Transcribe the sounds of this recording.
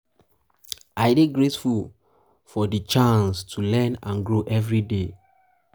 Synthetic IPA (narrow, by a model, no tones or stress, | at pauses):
aɪdeɡɹetful | fɔdət͡ʃãnstʰulɛ̃nã̰nɡɹoʔɛvɹide